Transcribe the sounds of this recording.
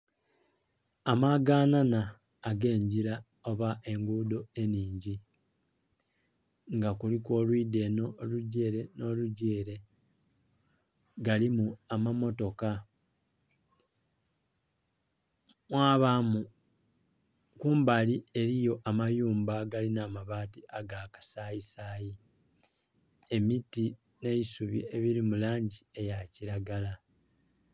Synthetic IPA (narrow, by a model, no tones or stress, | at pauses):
amaɡaːnanaː | ɡe̞ːɲɟiɾa | o̞βaʔe̞ŋɡuːdo̞e̞niːɲɟi | ŋɡakulikwo̞lwiːde̞noluɟeɾeno̞luɟeːɾe̞ | ɡalimuamamo̞to̞ka | mwaːβamu | kuːmbalie̞ɾijo̞ʔamajuːmbaɡalinamaβaːtiaɡaːkḁsaːjisaːji | e̞miti | ne̞isuβḭe̞βiɾimulaːɲɟie̞jaciɾaɡala